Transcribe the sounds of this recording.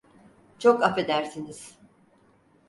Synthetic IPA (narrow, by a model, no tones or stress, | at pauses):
t͡ʃʰo̞kape̞d̪æɾsiniz̥